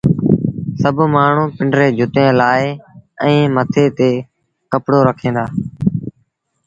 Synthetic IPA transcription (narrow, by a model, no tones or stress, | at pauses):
səbmaːɳ̤ũːpɪɳɖɾeːd͡ʒʱʊt̪ẽːlaːeːɛ̃ːmət̪ʰeːt̪eː | kəpɽoːɾəkʰẽːd̪aː